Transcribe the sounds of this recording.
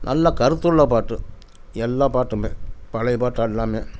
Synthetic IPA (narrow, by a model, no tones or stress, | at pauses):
nɐlːɐkɐɾɯt̪ːɯɭːɐpaːʈːɯ̰ | ɛlːãːpaːʈːɯmḛːpɐlɐɪpaːʈːaːɛlːaːmeː